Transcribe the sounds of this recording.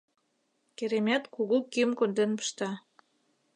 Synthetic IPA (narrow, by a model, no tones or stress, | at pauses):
keɾemʲæt̪kuɣukimkond̪enpə̥ʃt̪ɑ